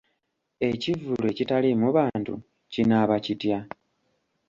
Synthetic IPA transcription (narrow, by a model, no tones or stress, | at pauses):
e̞civule̞citalimuβaːntṵ | cinaβacitja